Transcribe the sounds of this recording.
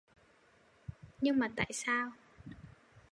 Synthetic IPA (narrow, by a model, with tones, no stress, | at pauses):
ɲɨ˧ŋmaː˨˩t̪a̰ː˧˨jsaː˧w